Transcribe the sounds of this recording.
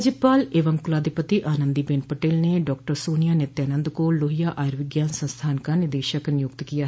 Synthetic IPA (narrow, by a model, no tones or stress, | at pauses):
d͡ʒɪpaːleːʋəmkʊlaːd̪ɪpət̪iʔaːnənd̪ibeːnpəʈeːlneɖɔːk̚ʈəɾsoːnɪjaːnɪt̪jaːnə̃nd̪koloːɦijaːʔaːjɾʋɪɡjaːnsə̃nst̪ʰaːnkãnɪd̪eːʃəknɪjʊk̚t̪kijaːɦ